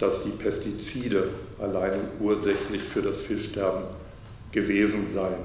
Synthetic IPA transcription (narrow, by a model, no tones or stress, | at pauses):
d̥asd̥iːpʰɛstit͡siːdəʔalaɪnʔuːɐzɛçtlɪçfyːɐdasfɪsʃtɛɐbm̩ | ɡ̥əveːzn̩zaɪən